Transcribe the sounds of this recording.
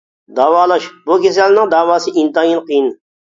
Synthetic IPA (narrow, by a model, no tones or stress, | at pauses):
d̪ɑːwɑːlˠɑʃbukʲʰes̬ɛlnɪŋd̪ɑːwɑːsɨʔint̪ɑjinqʰijin